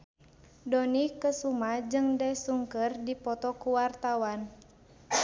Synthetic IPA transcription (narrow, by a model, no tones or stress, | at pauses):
dɔnikəsumad͡ʒɨŋdɛsuŋkərdipɔt̪ɔkuwart̪awan